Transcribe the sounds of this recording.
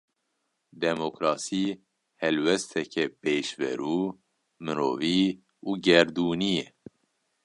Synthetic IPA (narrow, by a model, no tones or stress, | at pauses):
d̪ɛmokɾɑːsiː | hɛlwɛst̪ʰɛkʰɛpeːʃvɛ̰ɾuː | mɨɾo̰ːviː | uːɡɛɾd̪uːnijɛ